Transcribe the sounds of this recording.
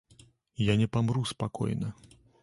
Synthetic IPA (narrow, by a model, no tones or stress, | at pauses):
janʲɛpamɾuspakɔ̰jnɐ